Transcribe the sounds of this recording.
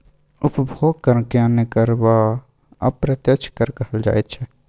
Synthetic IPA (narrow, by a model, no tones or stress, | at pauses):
ʊpbʱoːɡ̚kəɾnkjãnekəɾba | ɐ̰pɾət̪jət͡ʃʰkəɾkəɦəld͡ʒa̰ːet̪t͡ʃʰɛ